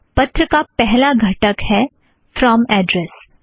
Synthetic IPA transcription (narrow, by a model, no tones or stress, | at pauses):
pɐt̪ɾəkapɛɦlaɡʱɐʈəkhɛ | fɾɔmɛːɖɾɛs